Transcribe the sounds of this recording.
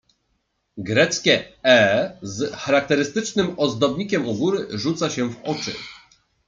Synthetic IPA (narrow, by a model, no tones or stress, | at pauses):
ɡɾɛt̪skʲɛɛzxaɾak̚t̪ɛɾɘst̪ɘt͡ʂnɘmɔzd̪ɔbɲikʲɛmuɡuɾɘʐut̪saɕɛvɔt͡ʂɘ̰